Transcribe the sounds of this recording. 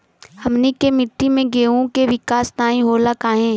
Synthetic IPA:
hɐmnikemɪʈːimẽɡeːõkeʋɪkaːst̪aːĩɦoːlakaːɦẽː

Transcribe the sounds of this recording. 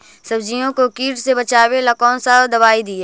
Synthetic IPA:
sɐbd͡ʒijõkokiːʈsebɐt͡ʃaːwelɐkɔ̃ːnsad̪ɐβaːid̪ie

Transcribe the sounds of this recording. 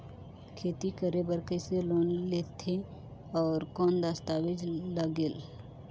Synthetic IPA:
kʰeːt̪ikəɾebəɾkəːseloːnleːt̪ʰe | ɔːɾkɔːnd̪ast̪aːwɪd͡ʒləɡeːl

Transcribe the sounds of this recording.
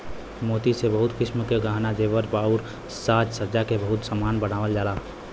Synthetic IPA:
mot̪isebəɦut̪kɪsmkeɡʱaɦnad͡ʒeʋəɾbauɾ | sat̪səd͡ʒakebəɦut̪səmanbənaʋəld͡ʒala

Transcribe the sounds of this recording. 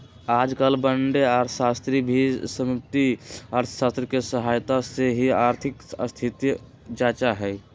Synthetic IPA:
aːd͡ʒkalbəɳɖeaːɾsast̪ɾibʱisəmup̚t̪iaːɾt̪ʰəsaːst̪ɾikesəɦaːjt̪aseɦiaːɾt̪ʰɪkəst̪ʰit̪j | d͡ʒaːt͡ʃaɦɛ

